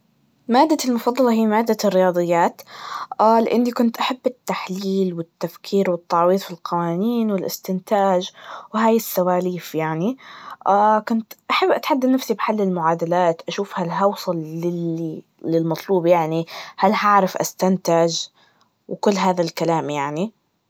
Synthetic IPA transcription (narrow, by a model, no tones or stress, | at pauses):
maːd̪ːalmʊfɑd̪ˤːɑlɑɦiːmaːd̪ːarːɪjɑːd̪ˤɨjːaːt̪ʔaːlɪʔɪnːikʊnt̪ʔaħabːɪt̪ːaħliːlwɪt̪ːafkʰiːɾwɪt̪ːɑʕwiːðˤfilqɑwaːniːnwɪlʔɪst̪ɪnt̪aːʒwɦaːjɪsːawaːliːfjaʕniʔaːkʊnt̪ʔaħabːʔat̪ħad̪ːad̪nafsibħalːɪlmʊʕaːd̪alaːt̪ʔaʃuːfhalɦɑwsˤɑlːɪ | lɪlmɑt̪ˤluːbjaʕnihalhaʕɾɪfʔa̰st̪ant̪aʒ | wɪkʊlːɦaːðalkalaːmjaʕni